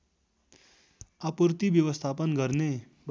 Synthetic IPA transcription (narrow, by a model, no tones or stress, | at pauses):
apuɾt̪iʋjəʋəst̪ʰapənɡʱəɾne | b